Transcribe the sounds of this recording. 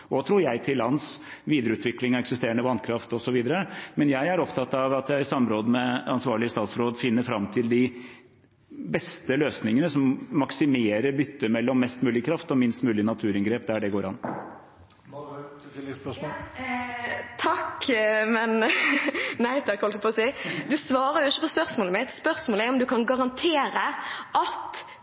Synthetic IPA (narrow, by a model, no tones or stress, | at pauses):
ɔt̪ʰɾuːɾjæɪt̪ʰɪlɑnsʋiːd̪əɾəʉːt̪ʰʋɪklɪŋɑɛksɪst̪eːɾəɳəʋɑnkʰɾɑft̪ɔsɔʋiːd̪əɾəmɛnjæɪæɾɔpt̪ʰɑt̪ːɑʋɑt̪jæɪɾsɑmːɾoːd̪əmɛɑnsʋɑːɭɪəst̪ɑːt̪sɾoːd̪fɪnːəɾfɾɑmt̪ʰɪld̪ɪ | bɛst̪əløːsnɪŋənəsɔmːɑksɪmeːɾəɾbʏt̪ːəmɛlːɔmːɛst̪mʉːlɪkʰɾɑft̪ɔmɪnst̪mʉːlɪənɑt̪ʰʉːɾɪŋɡɾeːpd̪æɖɛɡoːɾɑ̰nː | t̪ʰɑkmɛn | næɪt̪ʰɑkɔlt̪pʰɔsiɪd̪ʉsʋɑːɾəɾjʊɪçːəpɔspœʁsmoːləmɪt̪spœʁsmoːlæɔmd̪ʉkʰɑnɡɑʁɑnt̪ʰeːɾəʔɑt̪